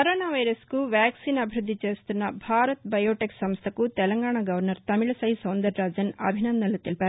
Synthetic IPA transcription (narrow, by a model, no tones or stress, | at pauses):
kɐɾoːnaːʋɐjɾɐskuʋjaːksiːnɐbʱiɾud̪ʱːit͡ʃe̞ːst̪unːɐbʱaːɾɐt̪bɐjoːʈeksɐmst̪ʰɐkut̪ɛlɐŋɡaːɳaɡɐʋɐɾnɐɾt̪ɐmiɭɐsɐɦisɐwnd̪ɐɾːaːd͡ʒɐnɐ̰bʱinɐnd̪ɐlːut̪ilipæːɾu